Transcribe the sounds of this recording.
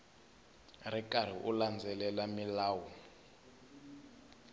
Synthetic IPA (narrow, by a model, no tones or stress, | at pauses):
rikʼaɾ̤iʔuland͡zʱɛlɛlamilaːwɔ